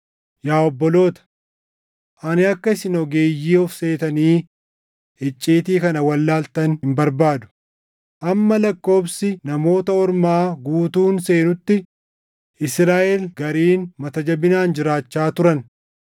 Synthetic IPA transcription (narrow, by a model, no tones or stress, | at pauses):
jaːɔbːɔlo̞ːt̪ɐ̥ | ʔɐnɪɐkːɐɪsɪnɔɡeːjːiːɔfse̞ːt̪ɐniː | ɛt͡ʃʼːiːt̪iːkɐnɐwɐlːaːlt̪ɐnhɪmbɐɾbaːd̪ʊ̥ | ʔɐmːɐlɐkːo̞ːbsɪnɐmo̞ːt̪ɐɔɾmaːɡuːt̪uːnse̞ːnʊt̪ːɪ | ʔɪsɾaːʔɛlɡɐɾiːnmɐt̪ɐd͡ʒɐbɪnaːnd͡ʒɪɾaːt͡ʃːaːt̪ʊɾɐn